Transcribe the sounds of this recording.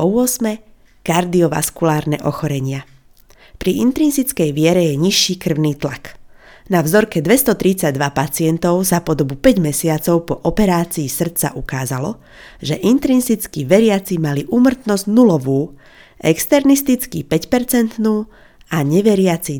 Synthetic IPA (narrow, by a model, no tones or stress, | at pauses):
ɔʊɔsmɛ | kaɾd̪iɔʋa̰skulaːɾnɛʔɔ̰xɔɾɛɲɪa | pɾiʔint̪ɾinzit͡skɛjʋɪɛɾɛjɛɲiʃːiːkr̩ʊniːt̪laknavzɔɾkɛd̪ʋɛst̪ɔt̪ɾit͡saɟ̚d̪ʋapat͡sɪɛnt̪ɔʊzapɔd̪ɔbupɛɟmɛsɪat͡sɔʊpɔʔɔpɛɾaːt͡siːsr̩t͡sa̰ʔukaːzalɔ | ʒɛʔint̪ɾinzit͡skiʋɛɾɪat͡simaliʔuːmr̩t̪nɔzɟnulɔʋuː | ʔɛkst̪ɛɾnist̪it͡skipɛcpɛɾt͡sɛnt̪nuː | aɲɛʋɛɾɪat͡si